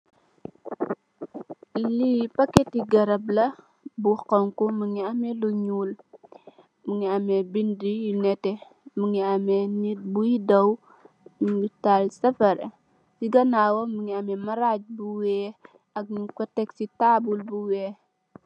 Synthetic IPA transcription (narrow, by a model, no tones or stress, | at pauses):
lipɐkːɛtiɡɐɾɐblɐ | buxɔŋkuməŋiɐmɛluɲuːl | muŋiɐmɛbindijinɛtɛ | muŋiɐmɛnit̚bujidɐw | məŋitalsɐfɐɾɛ | siɡɐnaːwɐmuŋiɐmɛmɐɾac̚buwɛː | ɐk̚mukɔtɛksitabulbuwɛː